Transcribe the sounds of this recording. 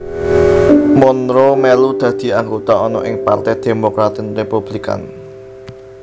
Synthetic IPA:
mɔnɾomɛlud̪̥ä̤d̪̥i̤aŋɡot̪aɔnɔʔɪŋpa̰rt̪ɛd̪̥e̤mokɾat̪ɪnrepub̥lika̰n

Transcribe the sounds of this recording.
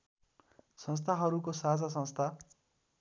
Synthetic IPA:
sʌ̃nst̪ʰaɦʌɾukosad͡zas̬ʌ̃nst̪ʰa

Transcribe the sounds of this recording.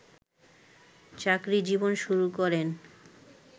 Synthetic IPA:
t͡ɕakɾid͡ʑibonʃuɾukɔɾen

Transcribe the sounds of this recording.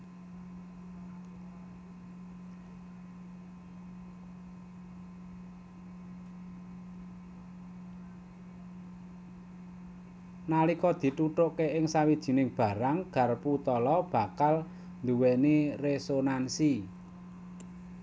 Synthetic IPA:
nalikɔd̪̥i̤t̪uʈ̪ʊʔkeʔɪŋsawid̥ʒ̥i̤nɪŋb̥a̤ɾaŋɡ̥ä̤rput̪ɔlɔb̥ä̤kal | nd̪uwɛniresonansi

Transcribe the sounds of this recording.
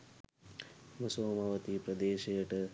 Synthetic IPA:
mɐsoːmɐʋɐt̪ipɾɐd̪eːʃejəʈə

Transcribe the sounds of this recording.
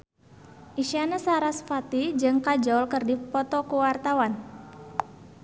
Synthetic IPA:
ʔiʃianasaɾasfat̪id͡ʒɨŋkad͡ʒɔlkərdipɔt̪ɔkuwart̪awan

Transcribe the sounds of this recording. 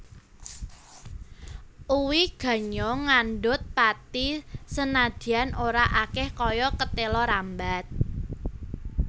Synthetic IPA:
ʔuwiɡ̥ä̤ɲɔŋanɖʊt̪̚pat̪isənad̪̥i̤anʔoɾaʔakɛhkɔjɔkət̪elɔɾambat̪̚

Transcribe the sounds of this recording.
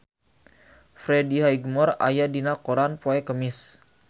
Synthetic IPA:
fɾɛdiɦajɡmɔra̰jadinakoɾanpoɛkəmɪs

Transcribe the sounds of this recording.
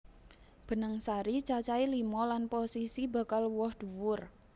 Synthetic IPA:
b̥ə̤nəŋsaɾit͡ʃat͡ʃailimɔlanposisiba̤kalwɔhd̪̥ṳwʊr

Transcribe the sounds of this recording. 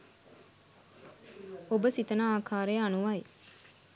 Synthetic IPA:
obəsit̪ɐnaaːkʰaːɾejəanuʋɐj

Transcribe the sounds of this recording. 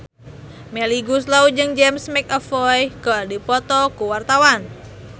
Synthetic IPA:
meliɡuslaud͡ʒɨŋd͡ʒɛmsmɛkɔfɔjɡadipɔt̪ɔkuwart̪awan

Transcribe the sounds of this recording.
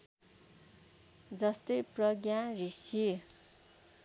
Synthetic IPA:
d͡zʌst̪ʌjprʌɡjãrisi

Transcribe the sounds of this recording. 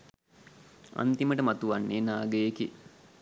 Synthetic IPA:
a̰nt̪iməʈəmat̪uʋanːeːnaːɡəjeki

